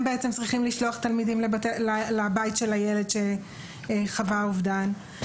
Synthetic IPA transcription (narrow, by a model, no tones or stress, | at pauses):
mbeet͡semt͡sʁiχimliʃloaχt̪almidimlebatelalabajitʃelajeledʃe | χavauvdan